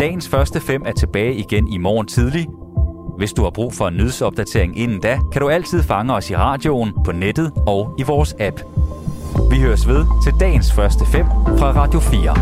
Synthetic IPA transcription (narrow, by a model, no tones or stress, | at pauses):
d̥ɛ̰ːɪn̩sfɶɐsd̥əfem̰æɐt͡sʰe̝b̥ɛːɪiɡ̥enimɒ̰ːnt͡sʰið̞ˠli | ʋe̝sd̥uhɑ̈b̥ʁṵːfɒ̽e̝nːyð̞ˠsɒ̽b̥̚d̥æt͡sʰe̝ɐe̝ŋe̝nn̩d̥ækʰæɾ̥uæl̰t͡sʰið̞̰ˠfɑ̈ŋəɒ̽siʁɑ̈ːd̥jo̝npʰɒ̽ned̥ð̩ˠɒ̽ʊiʋɒːsæb̥ | ʋihøːɐsʋe̝ð̞ˠt͡sʰe̝ld̥ɛ̰ːnsfɶɐsd̥əfem̰fʁɑ̈ʁɑ̈d̥jo̝fliːɐ